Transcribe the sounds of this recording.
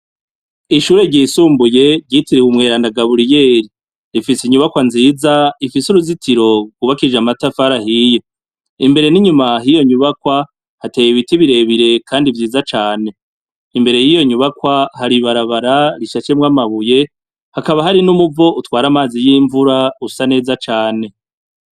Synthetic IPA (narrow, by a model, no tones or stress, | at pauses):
iʃuːɾe̞ɾɟiːsuːmbuje̞ɾɟitiɾiumŋe̞ːɾanaɡaβuɾije̞ːɾi | ɾifisiɲuβakwanziːzaifisuɾuzitʰiɾo̞ɡuβakid͡ʒamatafaɾahije | imbe̞ɾe̞niɲumaɦijo̞ɲuβakwa | hateːjeβitiβiɾe̞βiɾe̞kʰaːndivjiːzat͡ʃaːne̞ | imbe̞ɾe̞jijo̞ɲuβakwahaɾiβaɾaβaɾaɾiʃat͡ʃemŋamaβuje̞ | hakaβaɦaɾinumuvo̞ʔutwaːɾamaːzijiːɱvuɾausane̞ːzat͡ʃaːne̞